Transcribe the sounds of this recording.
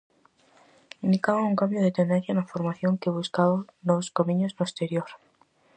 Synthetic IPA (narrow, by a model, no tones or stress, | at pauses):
ind̪ikaβauŋkambjoðe̞t̪end̪e̞n̟θjanafoɾmaθjo̞ŋkeβuskaβonoskamĩɲoznoest̪e̞ɾjoɾ